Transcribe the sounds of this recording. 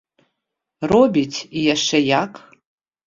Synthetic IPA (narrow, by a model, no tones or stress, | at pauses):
robʲitʰijaʂɛjakʰʼ